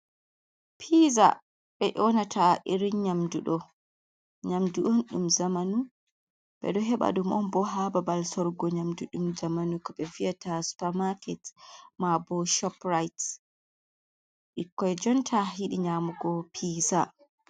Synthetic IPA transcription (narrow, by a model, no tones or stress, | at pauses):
pʰiza̰ | ɓɛʔɔnatʰaʔiɾiɲamduɗɔ | ɲamduʔɔnɗṵmzamanu | ɓɛ̰ɗɔɦɛɓa̰ɗumɔnbɔɦababalsɔɾɡɔɲamduɗumd͡ʒamanukɔɓɛviatasu̥paɾmakɛtmabɔʃɔpɾajt | ɗikːɔɛd͡ʒɔntʰaɦiɗiɲamuɡɔpʰiːza